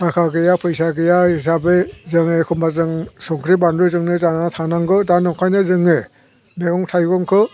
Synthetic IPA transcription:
takʰaɡɯjapʰɯjsaɡɯjais̬abezɯŋekʰɔmbazɯŋsɔŋkʰɾibandɾɯzɯŋnɯzanatʰanaŋɡɯdanɔŋkʰajnɯzɯŋe | meɡɔŋtʰajɡɔŋkʰɯ

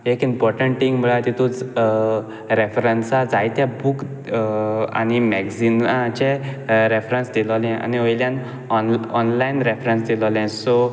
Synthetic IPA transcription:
ekimpɔɾʈəɳʈʈiŋɡbəɭajt̪it̪ũd͡z | ɾefɾənsad͡zajt̪jabuk | a̰ñimɛɡd͡zinãt͡ɕeɾefɾənsd̪ilɔlɛ̃a̰niʋəjljãn | ɔnɔnlainɾefɾənsd̪ilɔlɛ̃so

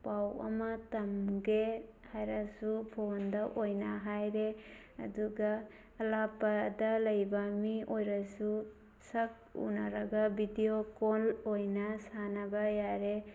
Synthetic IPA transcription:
pawɐ̰mɐtɐmɡehajɾɐsupʰondɐʔojnɐɦajɾe | ɐ̰duɡɐː | lapɐdɐlɐjbɐmiʔojɾɐsu | sɐk̚ṵnɐɾɐɡɐbʱidiokolojnɐsanɐbɐjaɾe

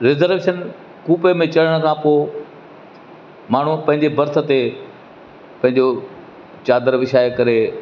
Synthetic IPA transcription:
ɾɪzəɾʋeːʃən | kuːpemẽt͡ɕɐɽəɽ̃ə̆kʰãːpoː | maːɳ̤upɐ̃ɦɪ̃ɲd͡ʑebɐɾt̪ʰə̆t̪e | pɐ̃ɦɪ̃ɲd͡ʑo | t͡ɕaːd̪əɾʋɪʃaːekɐɾe

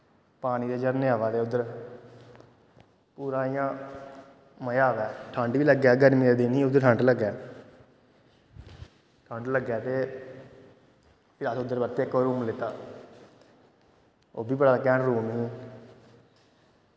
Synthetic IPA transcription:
paːñiːd̪eːd͡ʒəɾneaːʋaːd̪eːʊd̪əɾ | puːɾaːɪjãː | məjaːʋɛːʈʰəɳɖʋiːləɡɛːɡəɾmĩd̪iːnĩːʊd̪ːəɾʈʰə̃ɳɖləɡːɛː | ʈʰəɳɖləɡɛːt̪eː | pɪɾaːsʊd̪ːəɾbət̪eːkːoːɾuːmlɪt̪ːaː | oːbiːbəɽaːəkɛːnɾuːmiː

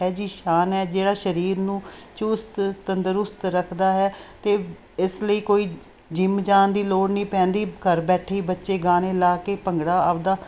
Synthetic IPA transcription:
ɛːd͡ʒiːʃaːnɛːd͡ʒeːɽaːʃəɾiːɾnũːt͡ʃʊst̪t̪ənd̪əɾʊst̪ɾəkʰd̪aːɦɛːt̪eː | ɪsləiːkoːiː | d͡ʒɪmd͡ʒaːnd̪iːloːɽnĩːpɛ̃ːnd̪iːkəɾbɛːʈʰiːbətːʃeːɡaːneːlaːkeːpəŋɡɽaːaːʋd̪aː

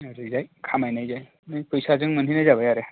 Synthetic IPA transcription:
əɾed͡zajkʰamajnajd͡zaj | najpəjsad͡zəŋɡməninajd͡zabʋəjaɾe

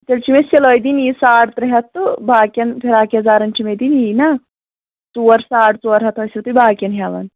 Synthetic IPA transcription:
t̪ɐlt͡ʃimeseloːjd̪iniːsaːɽt̪ɾɐɦɐt̪ːubaːkʲɐnpʰiɾaːkeɐzaːɾɐnt͡ʃimed̪injiːna | t͡suːɐɾsaːɽt͡suːɐɾɦɐt̪ʰoːsit̪ubaːkʲɐnɦaʋɐ̰n

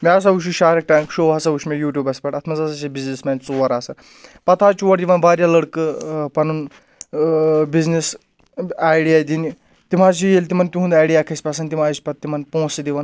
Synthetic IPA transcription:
mias̬ɐuʃ̬uʃaːɾɐk̚ʈãŋkʃoːʋɦɐsɐuʃmʲejuːʈʲjuːbɐspʲɐʈɐt̪ʰmɐzɐsɐʃebiznismant͡suʋɐɾaːsɐ | pɐt̪ʰaːt͡ʃuʋɐɽd̪iʋɐnbaːɾʲjaləɽkɨpɐnun | biznis | ajɽijajd̪ʲini | t̪im̤aːzt͡ʃijelʲt̪imɐnt̪iɦũːnd̪aːjɽiakʰɐsʲpʲas̬ɐnt̪im̤aːjispʲɐt̪ːimɐnpõːsid̪iʋɐn

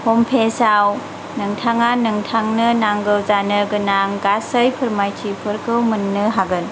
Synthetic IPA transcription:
hompʰesaw | nɯŋtʰaŋanɯŋtʰaŋnɯnaŋɡɯwzanɯɡɯnaŋɡasəjpʰɯɾmajtʰipʰɯɾkɯwmɯnːɯɦaɡɯn

